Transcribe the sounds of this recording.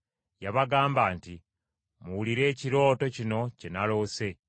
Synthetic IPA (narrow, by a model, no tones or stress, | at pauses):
jaβaɡaːmbaːnti | muwuliɾe̞ːciɾo̞ːto̞cino̞ce̞nalo̞ːse̞